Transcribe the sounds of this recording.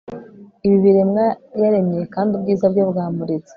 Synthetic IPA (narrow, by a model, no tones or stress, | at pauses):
iβiβiɾe̞mŋajaɾe̞mɲejekaːndubɡiːzabɟobɡaːmuɾet͡se̥